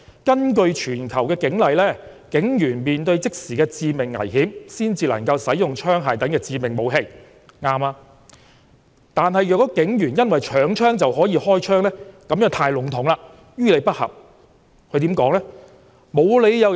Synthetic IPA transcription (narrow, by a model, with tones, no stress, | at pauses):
kɐ˥nkɵ˧ɥt͡ʃʰyː˨˩nkʰɐ˨˩wkɛː˧kɪ˨˥ŋlɐ˨jlɛː˥ | kɪ˨˥ŋjyː˨˩nmiː˨nt̪ɵ˧ɥt͡sɪ˥k̚siː˨kɛː˧t͡siː˧mɪ˨˩ŋːɐ̰˨˩jɦiː˨˥msiː˥nt͡siː˧lɐ̰˨˩ŋkɐ˧wsɐ˨˥jjʊ˨ŋt͡ʃʰœː˥ŋɦaː˨jt̪ɐ˨˥nkɛː˧t͡siː˧mɪ˨˩ŋmo˨˧wɦe˧j | ŋaː˧maː˧ | t̪aː˨nhɐ˨jœː˨˩kːɔː˨˥kɪ˨˥ŋjyː˨˩njɐ˥nwɐ˨jt͡ʃʰœː˨˥ŋt͡ʃʰœː˥ŋt͡sɐ˨wɦɔː˨˥jiː˧hɔː˥jt͡ʃʰœː˥ŋlɛː˥kɐ˨˥mjœː˨˥ŋt̪ʰaː˧jlʊ˨˥ŋt̪ʰʊ˨˥ŋlaː˧ | jyː˥le˨˧jpɐ˥t̚hɐ̰˨˩p̚ | kʰɵ˨˧ɥt̪iː˨˥mkɔː˨˥ŋlɛ˥ | mo˨˧wle˨˧jjɐ˨˧w